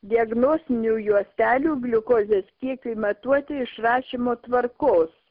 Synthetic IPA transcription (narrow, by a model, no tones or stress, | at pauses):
d̪ʲɪɐɡnoːsʲt̪ʲɪnʲuːjuɔsʲt̪ʲæːlʲuːɡlʲʊkoːzʲeskʲiɛkʊɪmɐt̪uɔt̪ʲɪɪʃrɑːʃʲɪmoːt̪ʋɐɾkoːs